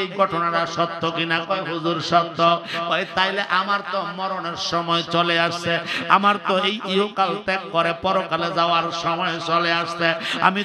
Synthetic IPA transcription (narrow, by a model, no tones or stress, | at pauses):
ejɡʱɔʈɔnaɽaʃɔt̪ːɔkinakɔɦud͡ʒuɾʃɔt̪ːɔpɔet̪aɦjleʔamaɾt̪ɔmɔɾɔɽeɾsɔmɔet͡ʃɔleaʃsea̰maɾt̪ɔejʔiokalt̪ɛkːɔɾepɔɾokaled͡ʒawaɾsɔmɔjet͡ʃɔleaʃtea̰mi